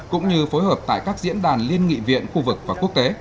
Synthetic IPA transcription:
kʊ̰˧˥ŋ͡mɲɨ˧fo˨˦jhəː˨˩p̚t̪a̰ː˧˨jkaː˦˥k̚zḭ˧˥ənɗaː˨˩nli˧ənŋḭ˧˨vḭ˧˨ənxu˧vɨ˨˩k̚vaː˨˩ku˦˥ək̚t̪e˨˦

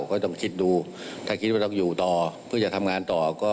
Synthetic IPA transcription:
kʰɔː˥˩t̪ɔ˥˩ŋkʰi˦˥t̪̚duː˧ | t̪ʰaː˥˩i˦˥t̪̚waː˥˩ɔ˥˩juː˨˩t̪ɔː˨˩pʰɯ˥˩t͡ɕa˨˩t̪ʰa˧mŋaː˧nt̪ɔː˨˩kɔː˥˩

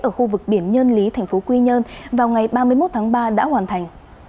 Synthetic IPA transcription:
ʔəː˧˩xu˧vɨ˨˩k̚ɓi˧˩ənɲəː˧nli˨˦t̪ʰa˨˩jŋ̟fo˨˦kwi˧ɲə˧nvaː˨˩wŋa˨˩jɓaː˧mɨ˧əjmo˦˥t̚t̪ʰaː˨˦ŋɓaː˧ɗa̰ː˧˥hwaː˨˩nt̪ʰa˨˩jŋ̟

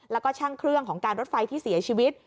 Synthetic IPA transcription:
lɛ˦˥wkɔː˥˩t͡ɕʰaː˥˩ŋkʰɾɯ˥˩əŋkʰɔː˩˦ŋkaː˧nɾo˦˥t̪̚fa˧jt̪ʰiː˥˩si˩˦ɐt͡ɕʰiː˧wi˦˥t̪̚

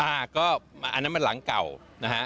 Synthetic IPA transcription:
ʔaː˨˩kɔː˥˩a˧˩ʔa˧nːa˦˥ma˧nla˨˩˦ŋka˨˩w | na˦˥kʰa˦˥ʔ

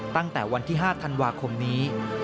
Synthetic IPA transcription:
t̪a˥˩ŋt̪ɛː˨˩wa˧nt̪ʰiː˥˩ɦaː˥˩t̪ʰa˧nwaː˧kʰo˧mniː˦˥

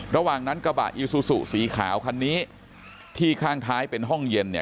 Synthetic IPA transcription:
ɾa˧waː˨˩ŋna˦˥nka˧ba̰˨˩ʔʔi˧suː˧sṵ˨˩ʔsiː˨˩˦kʰaː˩˦wkʰa˧nːiː˦˥ | t̪ʰiː˥˩kʰaː˥˩ŋt̪ʰaː˦˥jpe˧nɦɔ˥˩ŋje˧ni˥˩

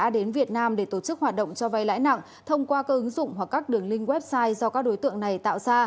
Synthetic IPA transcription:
a̰ː˧˥ɗe˨˦nvi˨˩ət̚naː˧mɗe˧˩t̪o˧˩t͡ɕɨ˦˥k̚ɦwaː˨˩t̚ɗə̰˧˨wŋ͡mt͡ɕɔ˧va˧jla̰ː˧˥jna̰˧˨ŋ | t̪ʰə˧wŋ͡mkwaː˧kaː˦˥k̚ʔɨ˨˦ŋzʊ̰˧˨wŋ͡mhwa˨˩kːaː˦˥k̚ɗɨ˨˩əŋlï˧ŋ̟ɣwɛ˦˥p̚saː˧jzɔ˧kaː˦˥k̚ɗo˨˦jt̪ɨ̰˧˨əŋna˨˩jt̪a̰ː˧˨wzaː˧

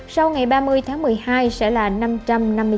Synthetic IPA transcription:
sa˧wŋa˨˩jɓaː˧mɨ˧əjt̪ʰaː˨˦ŋmɨ˨˩əjhaː˧jsɛ̰˧˥laː˨˩na˧mt͡ɕa˧mna˧mːɨ˧

